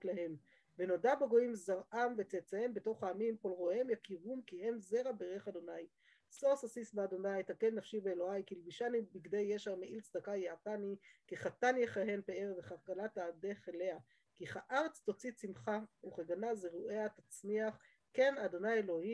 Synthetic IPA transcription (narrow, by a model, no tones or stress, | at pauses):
laɦe̞m | veno̞dabeɡo̞imzaʁamvet͡set͡saembe̞to̞χhaːmimko̞lʁo̞hemjakiʁumkihe̞mze̞ʁabeʁeχad̪o̞naj | so̞sasisbead̪o̞najt̪akenːafʃibeːlo̞ajkilbiʃanibiɡdejːeʃaʁmeʔilt͡sd̪akajeatanikiχatanjeχaɦe̞npeeʁveχaʁkalat̪aːde̞χele̞a | kiχaʔaʁet͡st̪o̞t͡sit͡simχauχeɡanazeʁuʔeat̪at͡sniaχ | ke̞nad̪o̞najelo̞hi